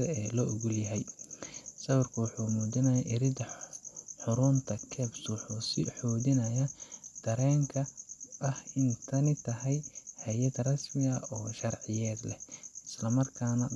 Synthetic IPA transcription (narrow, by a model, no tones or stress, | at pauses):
ɐɛːlɔːʔʊɣʊljɐɦɛj | sɐwɐrkʰɐwɑħuːmuːdɪnɐjaʔɪɾɪd̪ɐ | ħʊɾʊːnt̪ʰɐkʰɛːbswħuːsɪħuːdɪnɐjɐd̪̥ɐɾɛːŋkʰɐʔɐhɪnt̪ʰɐnɪt̪ʰɐɦɛjhɐjɐd̪rɐsmɪɐʔɔːʃɐrʕɪjɛːd̪lɛhɪslɐmɐrkʰaːnɐ